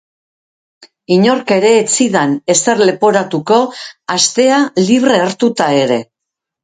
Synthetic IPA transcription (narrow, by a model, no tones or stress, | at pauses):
iɲo̞ɾke̞ɾe̞ːt͡siðane̞se̞ɾle̞po̞ɾat̪uko̞ast̪e̞aliβ̞re̞ːɾt̪ut̪ae̞ɾe̞